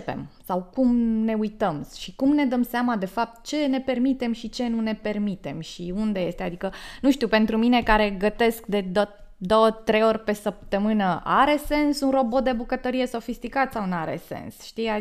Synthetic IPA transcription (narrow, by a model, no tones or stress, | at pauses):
pḛmsawkumne̞ujt̪əmʃikumne̞d̪əmseamad̪e̞fap̚t̪̚t͡ʃe̞ne̞pe̞rmit̪e̞mʃit͡ʃe̞nune̞pe̞rmit̪e̞mʃiund̪e̞je̞st̪ead̪ikənuʃt̪iupe̞nt̪ɾumine̞kaɾe̞ɡət̪e̞skd̪e̞d̪ə | d̪o̞wət̪ɾe̞jo̞rʲpe̞səp̚t̪əmɨnəa̰ɾe̞se̞nsunro̞bod̪ebukət̪əɾije̞so̞fist̪ikat̪sawnaɾḛse̞̰nsʃt̪ia